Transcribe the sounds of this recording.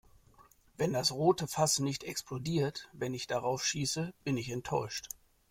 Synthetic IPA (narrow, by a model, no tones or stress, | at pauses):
vɛndasʁoːtəfasnɪçtɛksplodiːɐtvɛnɪçd̥aʁaʊfʃiːsəb̥ɪnɪçɛntʰːɔʏʃt